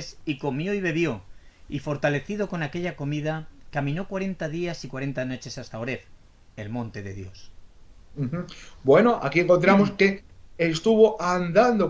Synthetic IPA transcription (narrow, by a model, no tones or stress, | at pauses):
siko̞mjo̞iβ̞e̞βjo̞ | ifo̞ɾt̪ale̞θiðo̞ko̞nake̞ʎako̞miðakamĩno̞kwaɾe̞nt̪aðiasikwaɾe̞nt̪ano̞t͡ʃe̞sast̪aoɾe̞ɾ | elmõnt̪e̞ðe̞ðjo̞s̩ | x̩bwe̞noʔakieŋko̞nt̪̬ɾamoske̞est̪uβoʔand̪and̪o